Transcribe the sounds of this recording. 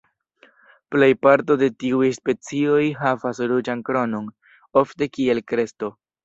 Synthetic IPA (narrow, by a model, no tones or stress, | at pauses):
ple̞jpaɾto̞de̞tiujspe̞t͡sio̞jɦavasɾud͡ʒankɾo̞no̞n | o̞fte̞kie̞lkɾe̞sto̞